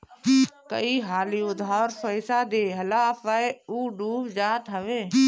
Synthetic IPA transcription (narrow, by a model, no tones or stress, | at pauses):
kə̰iɦaːliːʊd̪ʱaːɾfəɪsaːd̪eːɦəlaːfaeuːɖuːbd͡ʒaːt̪ɦəʋeː